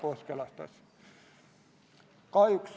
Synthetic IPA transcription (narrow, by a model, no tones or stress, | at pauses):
koskelɑst̪ɑ̰s | kɑiks